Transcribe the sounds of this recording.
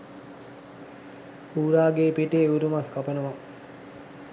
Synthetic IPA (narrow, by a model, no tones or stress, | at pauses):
uːɾaːɡeːpiʈeuɾumaskapənəʋa